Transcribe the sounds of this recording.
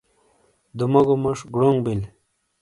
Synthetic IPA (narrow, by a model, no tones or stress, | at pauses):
d̪umɐɡomɐʂɡɽoŋɡbil